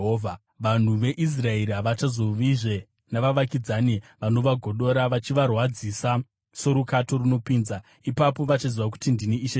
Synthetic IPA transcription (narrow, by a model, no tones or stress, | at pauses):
ɦva | ʋan̤uʋe̞ʔis̬rae̞ɾiɦaʋat͡ʃazo̞ʋiʐe | naʋaʋakid͡zaniʋano̞ʋaɡʱo̞ɗo̞ɾaʋat͡ʃiʋarwad͡zisa | so̞ɾukato̞runo̞piːnza | ipapo̞ʋat͡ʃaziʋak̬u̥tindiniiʃe